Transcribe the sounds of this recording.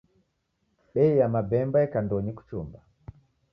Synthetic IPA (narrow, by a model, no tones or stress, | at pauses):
ɓɛijamabɛmbaɛkandɔɲiku̥t͡ʃumba